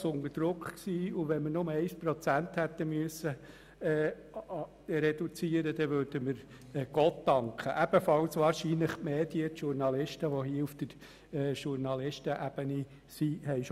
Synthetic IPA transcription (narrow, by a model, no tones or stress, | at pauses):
sʊndəd̥ɾʊkχksiːuʋɛnmənʊməɛɪspɾɔt͡sænt̪hæt̪ːəmyəsːə | ɾɛdut͡siːəɾəd̥̪ɛʋøːɾd̥əməɾ | ɡ̥ɔtːɑŋkχəʔæb̥əfɑlsʋɑːɾʃiːnləχmeːdiət̪ʃuɾnɑlɪʃtəʋɔɦiufd̥̪əɾː | ʃuɾnɑlɪʃtəʔæb̥əni | sihɛɪʃ